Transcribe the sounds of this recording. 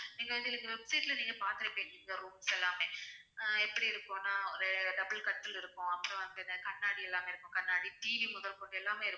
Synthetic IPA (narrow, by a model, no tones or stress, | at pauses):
niːŋɡɐʋɐnd̪ɪniːŋɡɐʋɛbsɐɪʈlɐniːŋɡɐpaːɾt̪ɪɾɐpːeːnɡiːŋɡɐɾuːmsɛlːaːmeː | ɛpːɐɽiɪɾɯkːʊ̃naːɔɾɯɖɐbɐlkɐʈːɪlɪɾɯkːʊ̃ɐpːɯɾɔ̃ʋɐnɐnɐkɐɳːaːɽiɛlːaːmeɪɾɯkːʊ̃kɐɳːaːɽiʈ̪iːʋimʊðɐlkoːʈːɛlːaːmeːɪɾɯkːʊ̃